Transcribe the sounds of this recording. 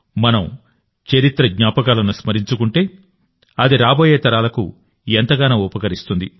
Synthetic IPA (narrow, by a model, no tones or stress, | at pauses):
mɐnɐm | t͡ʃɐɾit̪ɾɐɡɲaːpɐkaːlɐnusmɐɾiɲt͡ʃukuɳʈe̞ː | ɐd̪iɾaːbo̞ːjeːt̪ɐɾaːlɐkṵ | ent̪ɐɡaːnɐːupɐkɐɾist̪und̪i